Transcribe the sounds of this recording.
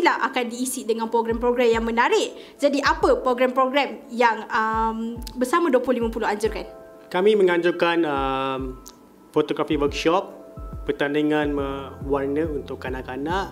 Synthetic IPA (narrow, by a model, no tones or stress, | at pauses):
laha̰kandiːsidəŋanpɾoɡɾɛmpɾoɡɾɛmjaŋmə̃naɾɪʔ | d͡ʒadiʔapəpɾoɡɾɛmpɾoɡɾɛmjaŋəmbərsamãduəplʊhlimãpulʊɦaɲd͡ʒʊrkan | kamĩmə̃ŋãɲd͡ʒukanəm | fot̪oɡɾafiwəkʃɔp̚ːərt̪aniŋanməwarnəunt̪ʊkːanaʔkanaʔ